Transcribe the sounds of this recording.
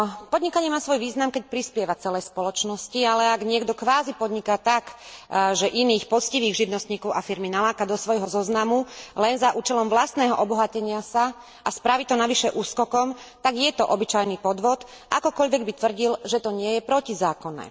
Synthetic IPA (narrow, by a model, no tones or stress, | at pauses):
pɔd̪ɲikaɲɛmaːsʋɔjʋiːznamkɛc̚pɾispɪɛʋat͡sɛlɛjspɔlɔt͡ʃnɔscialɛaɡɲɪɛɡd̪ɔkʋaːzipɔd̪ɲikat̪aɡʒɛʔiniːxpɔt͡sciʋiːɣʒiʋnɔst̪ɲiːkɔʊafiɾminalaːkad̪ɔsʋɔjɦɔzɔznamulɛnzaʔuːt͡ʃɛlɔmʋlast̪nɛːɦɔʔɔbɔɦacɛɲɪasa | ʔaspɾaʋit̪ɔnaʋiʃɛʔuːskɔkɔm | t̪aɡjɛt̪ɔʔɔbit͡ʃajnipɔd̪ʋɔt̪ | ʔakɔkɔʎʋɛɡbit̪ʋr̩ɟilʒɛt̪ɔɲɪɛjɛpɾɔcizaːkɔnɛ̰ː